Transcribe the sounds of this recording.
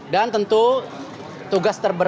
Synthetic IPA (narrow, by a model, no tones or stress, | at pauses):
dant̪ənt̪u | t̪uɡast̪ərbə